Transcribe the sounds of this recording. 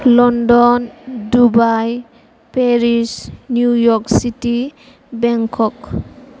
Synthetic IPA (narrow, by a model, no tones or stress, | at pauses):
lɔndɔndubaj | peɾisnjujɔɾksiti | bɛŋkʰɔk